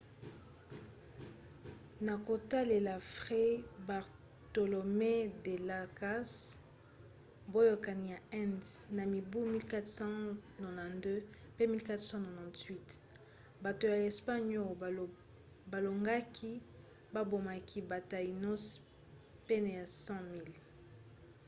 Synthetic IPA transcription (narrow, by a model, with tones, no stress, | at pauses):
na˨ko˨ta˦le˨la˨fʁe˦ba˨ʁ | to˨lo˨me˦de˨la˨ka˦s | bo˦jo˨ka˨ni˨ja˨ɛ˦nsna˨mi˨bu˦mi˦lka˦tsɑ̃˦no˨nã˨ndø˦pe˦mi˦lka˦tsɔ̃˦nɔ˨nã˨twi˦t | ba˨to˨ja˨e˨spa˦ɲo˦˨ | ba˨lo˨ŋɡa˦kʰi˦ | ba˦bo˨ma˨kʰi˦ba˨ta˨i˨nɔ˦s | pe˦na˨ja˨sɑ̃˦mi˦l